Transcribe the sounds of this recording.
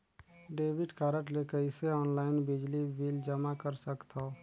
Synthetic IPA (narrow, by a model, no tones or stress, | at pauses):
ɖeːbɪɖkaːɾəʈlekəɪseɔːnlaːɪnbɪd͡ʒlibild͡ʒəmakəɾsəkt̪ʰa